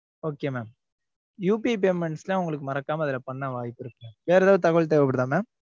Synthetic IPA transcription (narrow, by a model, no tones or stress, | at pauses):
oːkeːmeːm | juːpip̬emɛɳslãːʊŋɡɐɭɯk̬ːɯmɐɾɐkːaːmɐɐðɪlɐpɐɳːaʋaːjɪpːɪɾɯkːẽʋeːɾɛðaːʋt̪ɐɣɐɭt̪̬ɐjʋɐpːɐɽɯðãːmeːm